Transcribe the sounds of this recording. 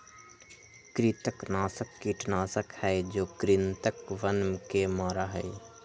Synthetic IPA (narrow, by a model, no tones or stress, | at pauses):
kɾit̪əknaːsəkːiʈnaːsəkhɛːd͡ʒoːkɾɪnt̪əkʋənmkemaːɾaɦɛː